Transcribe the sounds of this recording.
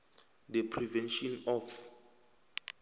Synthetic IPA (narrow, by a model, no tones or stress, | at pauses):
dəpʰrivɛnʃɔnɔf